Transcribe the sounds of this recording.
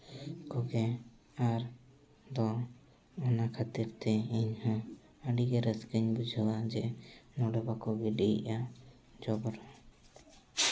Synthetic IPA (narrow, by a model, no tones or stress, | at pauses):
kɔɡɛ | aɾ | d̪ɔ | ɔnakʰat̪iɾt̪ɛiɲhɔ̃ | əɖiɡɛɾɛskəɲbud͡ʒʱawad͡ʒɛnɔɖɛbakɔɡɛɖḭʔa | d͡ʒɔbɔɾɔ